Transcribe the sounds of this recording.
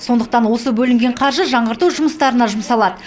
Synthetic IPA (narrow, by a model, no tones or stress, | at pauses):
so̞nd̪əq̚t̪ɑnwo̞səbɵlɪŋɡʲe̞ɴqʰɑɾʒəʒɑɴʁəɾt̪uʒʊməst̪ɑɾənɑʒʊməsɑlˠɑd̪ə